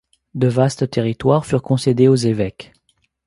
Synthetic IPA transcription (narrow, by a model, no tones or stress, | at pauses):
d̪əvast̪ət̪eʁit̪waʁfyʁkɔ̃sed̪eozevɛk